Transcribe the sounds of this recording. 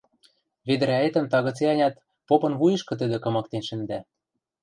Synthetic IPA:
βed̪ɘ̆ɾæet̪ə̆mt̪ɑɣɤ̆t͡seɑnʲɑt̪ | popɤ̆nβujɤ̆ʃkɤ̆t̪ɘ̆d̪ɘ̆kɤ̆mɑk̚t̪enʃɘ̆nd̪æ

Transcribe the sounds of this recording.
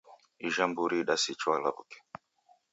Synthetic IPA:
iʒambuɾiɗasit͡ʃuala̰bṵke̥

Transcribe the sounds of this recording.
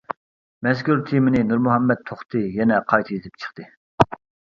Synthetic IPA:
mɛskʲyɾt̪ʰimɪnɪnuɾmuɦɛmːɛt̪̚ʰoχt̪ʰɨjɛnɛqʰɑjt̪ʰɨjet̪ʰɪp̚t͡ʃʰə̥χt̪ɨ

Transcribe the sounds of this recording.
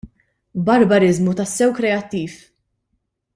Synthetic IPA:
bɐɾbɐɾɪzmut̪ɐsːɛwkɾɛɐt̪ːiːf

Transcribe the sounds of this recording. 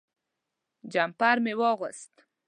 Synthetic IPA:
d͡ʒampɑɾmewəɣəst̪

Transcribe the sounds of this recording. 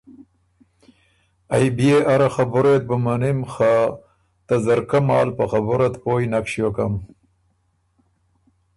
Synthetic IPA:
ajbijeʔaɾaxabʊɾet̪̚bəmanimxa | t̪azɐɾkamɑ̰ːlpaxabʊɾat̪poːjnakʂjokam

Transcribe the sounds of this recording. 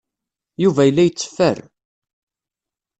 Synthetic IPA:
juvæjəlːæjət͡sːə̥fːə̰r

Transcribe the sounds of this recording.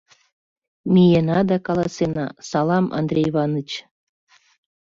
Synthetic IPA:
mʲijenɑd̪ɑkɑlˠɑsenɑ̰sɑlˠɑmɑ̰nd̪rʲejβɑnət͡ɕ

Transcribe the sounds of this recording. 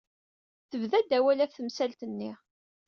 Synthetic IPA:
θəvðæd̪æwælæθθəmsælt̪ənːi

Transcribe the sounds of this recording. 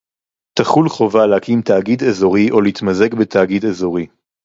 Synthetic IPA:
t̪aχulχo̞valehakʰimt̪aːɡid̪ezo̞ʁiʔo̞liit̪maze̞kbet̪ʰaɡid̪ezo̞ʁi

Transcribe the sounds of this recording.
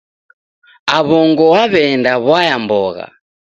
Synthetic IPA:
aβɔŋɡɔwaβɛndaβwajambɔɣa̰

